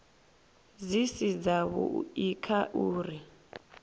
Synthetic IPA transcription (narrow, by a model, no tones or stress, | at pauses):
zisid͡zaβṵikʰaʔuːri